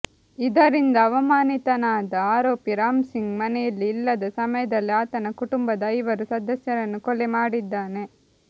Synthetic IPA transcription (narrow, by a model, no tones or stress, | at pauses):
id̪ɐɾind̪ɐːʋɐmaːnit̪ɐnaːd̪ɐaːɾoːpiɾaːmsiŋɡmɐnɛjɐlːiːlːɐd̪ɐsɐmɐjɐd̪ɐlːiaːt̪ɐnɐkuʈumbɐd̪ɐɐjiʋɐɾusɐd̪ɐsjɐɾɐnːukɔlemaːɽid̪ːaːne̞